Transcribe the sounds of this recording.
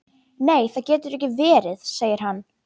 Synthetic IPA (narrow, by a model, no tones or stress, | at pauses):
neːjθaðcɛːt̪ʏɾɛhcɪvɛːɾɪðseːjɪɾ̥ɦanː